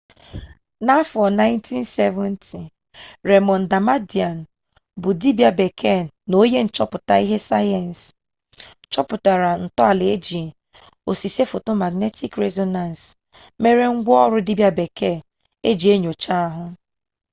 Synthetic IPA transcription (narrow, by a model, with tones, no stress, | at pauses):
na˦fɔ˨na˦ɪ˦ntʰi˦n˦se˦vɔ˦ntʰi˨ | ɾe˨mɔ˨n̩˨da˨ma˦di˨a˨n˨ | bʊ˨di˦bja˨be˨kʰe˦˨ | no˦je˦n̩˨t͡ʃɔ˦pʊ˨ta˨i˦ɦe˦sa˦jɛ˨n˨s | t͡ʃɔ˦pʊ˨ta˨ɾa˨n̩˨tɔ˦a˨le˨e˦d͡ʒi˨ | o˨si˨se˦fo˨to˦ma˨ɡne˦ti˦kɾe˦zɔ˦na˨n˨s | me˨ɾe˨ŋ̩˦ɡʷɔ˦ɔ˦ɾʊ˦di˦bja˦be˨ke˦˨ | e˦d͡ʒi˨e˦ɲo˨t͡ʃa˦a˦ɦʊ˦